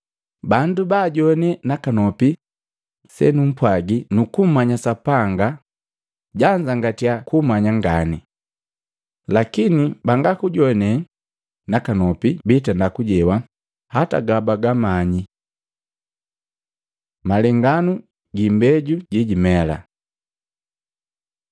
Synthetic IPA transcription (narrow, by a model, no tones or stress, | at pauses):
bandubaːɟɔnɛnakanɔpi | sɛ̰num̩pwaɡinukum̩maɲasapaŋɡa | ɟaɲd͡ʒaŋɡatiakumaɲaŋɡani | lakinibaŋɡakuɟɔnɛ | nakanɔpibitandakuɟɛwa | hata̰ɡabaɡamaɲi | malɛŋɡanu | ɡimbɛɟuɟiɟimɛla̰